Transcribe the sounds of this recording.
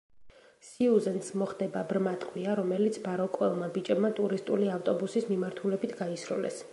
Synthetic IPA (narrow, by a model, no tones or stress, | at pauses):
siuzɛnt̪smɔχd̪ɛbabɾmat̪ʼqʼwiaɾɔmɛlit̪sʰbaɾɔkʼwɛlˠmabit͡ʃʼɛbmat̪ʼuɾist̪ʼuliaft̪ʼɔbusismimaɾt̪ʰulɛbit̪ʰɡaisɾṵlɛ̰s